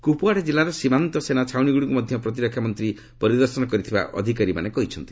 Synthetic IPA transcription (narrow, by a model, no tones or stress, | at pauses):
kupuaɽed͡ʒilːaɾɔsimant̪ɔsenat͡ʃʰawniɡuɽikumɔd̪ʱjɔpɾɔt̪̬iɾɔkʰjamɔnt̪ɾi | pɔɾid̪ɔɾsɔnɔkɔɾit̪ʰiba̰ʔɔ̰d̪ʱikaɾima̰nekɔɦit͡ʃʰɔnt̪i̥